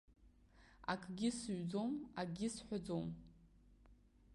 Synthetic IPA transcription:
a̰kʰʼɡʲɪsɥd͡zomaɡʲɪsħʷᶣad͡zowm

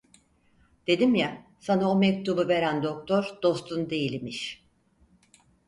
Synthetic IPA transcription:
d̪̥e̞d̪imja | sanaomɛc̚t̪ʰubɯve̞ɾænd̪o̞k̚t̪ʰoɾd̪̥o̞st̪ʰund̪e̞jilʲmiʃ

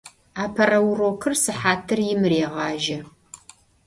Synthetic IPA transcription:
aːpʰɐrɐwroːkʰɨrsɨħaːtʰɨrjɪmɾeːʁɑːʒɐ

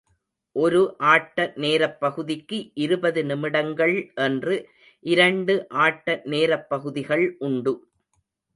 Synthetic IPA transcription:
ʔɔɾɯʔaːʈːɐneːɾɐpːɐɣɯðɪkːɯʔɪɾɯbɐðɯnɪmɪɽɐŋɡɐɭʔɛndrɯ | ʔɪɾɐɳɖɯʔaːʈːɐneːɾɐpːɐɣɯðɪɣɐɭʔʊɳɖɯ

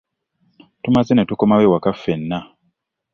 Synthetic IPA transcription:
tumazenetukomawewakafːenːa

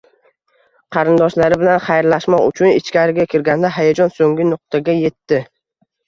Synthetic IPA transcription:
qʰɑɾɪnd̪ɒʃlaɾɪbɪlanχajɾlaʃmɒqʊ̰t͡ʃʰʊnɪt͡ʃkʲaɾɪɡʲakʲʰɪɾɡʲand̪aɦajad͡ʒɒnsoŋɡʲɪnʊq̚t̪ʰaɡʲaje̞t̪ːɪ

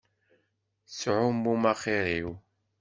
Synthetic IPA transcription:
sʕʊmːumaχiɾiw

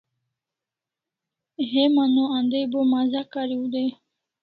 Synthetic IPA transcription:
ɦemanoand̪ejbomazakaɾiud̪e

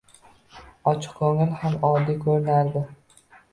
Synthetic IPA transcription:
ɒt͡ʃʰɪ̥qʰkʰɵŋɪlhamɒd̪ikʲʰɵɾɪnaɾd̪ɪ

